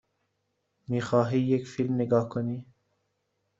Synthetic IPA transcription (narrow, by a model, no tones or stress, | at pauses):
mixɑːɦiːjekfilmnɪɡɑːhkoniː